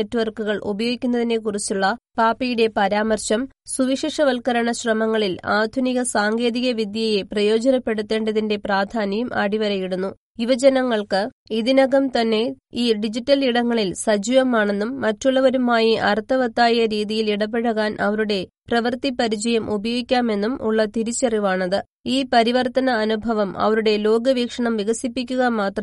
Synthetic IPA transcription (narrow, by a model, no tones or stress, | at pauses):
etːʋɐrkuɣɐɭʔobɐjoːɡikʲːunːɐðinːe̞kurit͡ɕːuɭːɐpaːpijuɽe̞pɐɾaːmɐrɕɐmsuʋiʂeːʂɐʋɐlkɐɾɐɳɐɕrɐmɐŋːɐɭilaːd̪ʱuniɣɐsaːŋɡe̞ːðiɣɐʋid̪jɐje̞prɐjo̞ːd͡ʑɐnɐpːe̞ɽut̪ːe̞ːɳɖɐðinde̞praːd̪ʱaːnɐjumʔa̰ːɽiʋɐɾɐjiɽunːu | iʋɐd͡ʑɐnɐŋːɐɭkɨ | iðinɐɣɐmt̪ɐnːe̞iːɖid͡ʑitːɐliɽɐŋːɐɭilsɐd͡ʑuʋɐmaːɳe̞nːumːɐtːuɭːɐʋɐɾumaːjiʔɐrt̪ːɐʋɐt̪ːaːjɐɾiːðijiliɽɐpːe̞ɽɐɣaːnʔɐʋɐɾuɽe̞prɐʋɐrt̪ipːɐɾid͡ʑɐjɐmʔubɐjoɣikʲːaːme̞nːumṵɭːɐt̪iɾit͡ɕːeriʋaːɳɐðɨ | iːpɐɾiʋɐrt̪ɐnɐːnubʱɐʋɐmɐ̰ʋɐɾuɽe̞lo̞ːɡɐʋiːkʂɐɳɐmʋiɣɐsipːikʲːuɣɐmaːt̪rɐm